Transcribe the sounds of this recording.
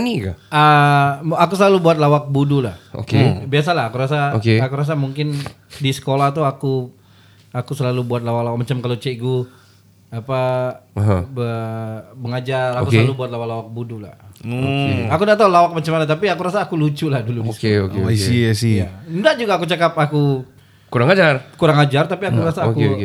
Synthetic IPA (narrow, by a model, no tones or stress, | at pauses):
nika̰ə | akus̬əlalubuat̪̚lawak̚budulaho̰kebias̬alaɦːkuɾas̬aokeakuɾas̬amuŋkɪn | disə̥kolaht̪uaku | akusəlalubuat̪̚lawak̚lawak̚mat͡ʃamkalot͡ʃeɡu | apaɦbəməŋad͡ʒarakuslalubuat̪̚lawalawak̚budula̰h | akudat̪̬aulawak̚mat͡ʃamanat̪apiakuɾasaːkulut͡ʃulahduludiosəkeokeasindaʔd͡ʒuɡaːkut͡ʃakap̚aku | kuɾaŋad͡ʒarkuɾaŋad͡ʒart̪apiakuɾasaːku